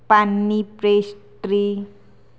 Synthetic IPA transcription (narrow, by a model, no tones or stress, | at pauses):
panːipɾesʈɾi